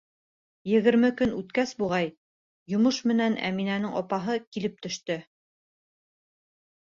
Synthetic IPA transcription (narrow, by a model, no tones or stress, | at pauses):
jɘ̆ɣɘ̆ɾmɘkɵnʉt̪kæsbuʁɑj | jŏmoʃmɘ̆nænæ̰minænɘŋɒpɑɦɤkilɘp̚t̪ɵ̆ʃt̪ɵ